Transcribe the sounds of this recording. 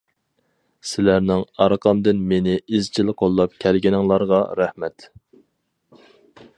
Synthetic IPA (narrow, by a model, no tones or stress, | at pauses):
sɪlæɾnɪŋɑɾqʰɑmd̪ɪnmenɪizt͡ʃʰilqʰolˠːɑp̚kʲʰɛlɡʲinɪŋlˠɑɾʁɑɾæhmɛt̪